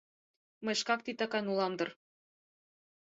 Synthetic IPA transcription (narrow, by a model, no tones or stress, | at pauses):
mɤjʃkɑk̚t̪it̪ɑkɑnulɑmd̪ɤ̆r